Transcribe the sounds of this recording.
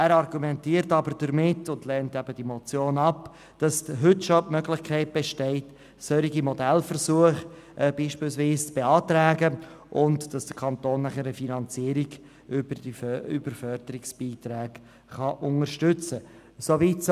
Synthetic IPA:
æːɾɑrɡumɛntiːəɾtɑbəɾd̥əɾmɪtːʊndlɛːntɛb̥əd̥imɔt͡sjoːnɑp | d̥ɑsɦʏtʃotmœɡlɪχkʰɛɪt̚b̥ɛʃtɛɪt | sœɾiɡimɔdɛlfərsuəχ | ʔb̥iːʃpiːlsviːst͡sb̥eɑːt̪ɾæːɡə | ʔʊntd̥ɑsd̥əkʰɑntoːnːæχəɾəfinɑnt͡siəɾiɡ | b̥iy̰b̥əɾfœɾdəɾɪksb̥iːtɾæːɡ | χɑʔʊŋəɾʃtʏt͡sə | soviːts

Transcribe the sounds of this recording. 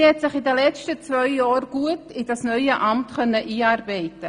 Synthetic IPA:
hɛtsɪχɪdəlɛt͡stət͡svœʏjɑːɾɡ̥uətɪdasnœʏəʔamtkœnːəʔiːɑːɾbɛɪtə

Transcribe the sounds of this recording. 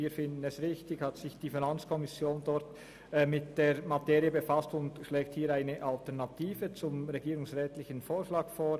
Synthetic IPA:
iːfɪndn̩ɛsʁɪçtɪçhatsɪçd̥iːfinant͡skʰɔmɪsjoːndɔʁtː | mɪt̚d̥eːɾmateːɾiəbəfastʊndʃlɛːkthiːɾaɪnəʔaltɛʁnɑtʰiːvət͡sʊmʁɛɡiːɾʊŋsʁɛːtlɪçənfoːɾʃlaːɡfoːɾ

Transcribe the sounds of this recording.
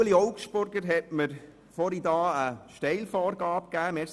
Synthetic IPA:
əliɔwkʃpʊɾɡ̥əɾɦɛt̚məɾ | fɔɾidɑːəʃtɛɪlfɔːɾɡɑːpkæːmɛs

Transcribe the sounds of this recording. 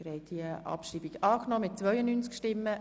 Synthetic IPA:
ɾɛɪtiəʔɑ̰pʃriːbiɡɑːknɔːmɪt̚t͡sʋœʏənyːnt͡skʃtɪmːə

